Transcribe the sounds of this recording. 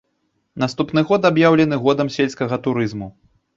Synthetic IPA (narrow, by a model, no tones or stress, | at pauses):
nast̪upn̪ɨɣɔt̪abjawlʲɛnɨɣɔd̪ɐmsʲelʲskɐɣɐt̪uɾɨzmu